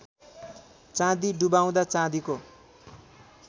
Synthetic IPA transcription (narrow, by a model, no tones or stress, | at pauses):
t͡sãd̪iɖubaw̃d̪at͡sãd̪iko